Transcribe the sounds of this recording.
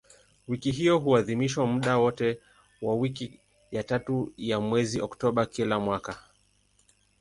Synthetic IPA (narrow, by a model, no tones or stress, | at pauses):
wikiɦijɔɦuaðimiʃwamuɗawɔtɛ | wawiki | jatatujamwɛziʔɔktɔɓakilamwaka